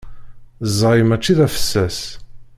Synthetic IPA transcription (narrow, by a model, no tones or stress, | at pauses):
zˤːɑimæt͡ʃːiðæfə̥sːæs